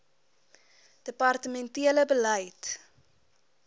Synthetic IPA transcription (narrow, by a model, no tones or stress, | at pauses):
d̥əpɐrtəmɛntiələbələjt